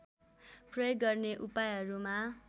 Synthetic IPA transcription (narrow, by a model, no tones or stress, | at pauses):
prʌjoɡɡʌrneʔupajɦʌɾuma